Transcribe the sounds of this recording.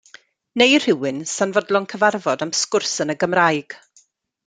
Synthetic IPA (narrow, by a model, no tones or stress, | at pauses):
nejr̥ɪwɨnsanvɔdlˠɔŋkʰəvarvɔdamskʊrsənəɡəmrajɡ̥